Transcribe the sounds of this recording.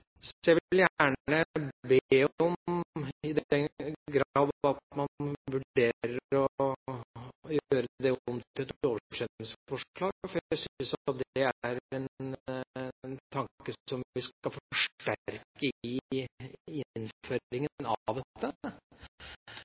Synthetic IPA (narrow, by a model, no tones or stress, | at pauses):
sjæɪʋɪljæːɳɳəbeːɔmɪd̪ɡɾɑːd̪ʋɑt̪mɑnʋʉɖeːɾəɾɾɔ | jøːɾəd̪ɛɔmt̪ɪɛt̪oːʋəʂɛt̪nɪsfɔʂɭɑːɡfɔɾjæɪsnsɑt̪̚d̪ɛæɾɛn | nt̪ʰɑŋkəɔmʋɪsɑfɔɔʂʈæɾkəɪ | ɪnføːɾɪŋənɑ̰ʋd̪ɛt̪ʰːə